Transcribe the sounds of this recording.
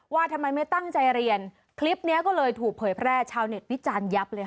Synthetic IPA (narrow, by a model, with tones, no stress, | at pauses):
waː˥˩t̪ʰa˧mːa˧jma˥˩jt̪a˥˩ŋt͡ɕa˧jɾi˧ən | kʰli˦˥p̚ni˦˥ɐkɔː˥˩lɤː˧jt̪ʰuː˨˩k̚pʰɤː˩˦jpʰɾɛː˥˩t͡ɕʰaː˧wne˨˩t̪̚wi˦˥t͡ɕaː˧nja˦˥p̚lɤː˧